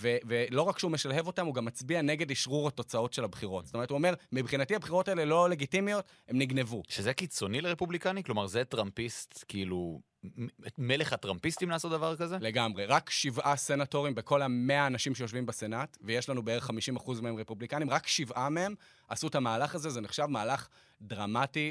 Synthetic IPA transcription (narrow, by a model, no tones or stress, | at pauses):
vevelo̞ʁakʃeume̞ʃalɦe̞vo̞tamuɡamːat͡sbianeɡe̞diʃʁuʁato̞t͡sao̞tʃe̞labχiʁo̞tz̥sotomtuomeʁmibχinatiabχiʁo̞taelelo̞le̞ɡitimijo̞t | he̞mniɡne̞vuʃezekit͡so̞nileʁepublikaniklo̞maʁzet̪ʁampist̪kiilu | meleχatʁampist̪imlaːsotd̪avaʁkazele̞ɡamʁeʁakʃivase̞nato̞ʁimbe̞ko̞lameaːnaʃimʃejo̞ʃvimbese̞natveje̞ʃlanubeeʁeχːamiʃimaχuzmeemʁe̞publikanimʁakʃivʔamehe̞m | ʔasutamaːlaχazezeniχʃavmaːlaχ | dʁamati